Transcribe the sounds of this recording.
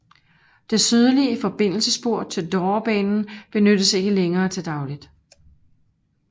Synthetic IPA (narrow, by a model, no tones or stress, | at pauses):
d̥e̝syð̞ˠəliəfɒ̽b̥e̝n̰l̩səsb̥o̝ɐ̰̥t͡sʰe̝ld̥ɒːb̥ɛ̰ːnn̩b̥e̝nød̥əse̝ɡ̥əleŋɐːt͡sʰe̝d̥ɑ̈ʊlid̥